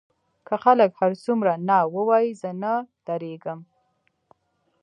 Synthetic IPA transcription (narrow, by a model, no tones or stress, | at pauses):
kʰəxaləkhaɾsumɾanɑwəwɑjizənad̪̥aɾeɡəm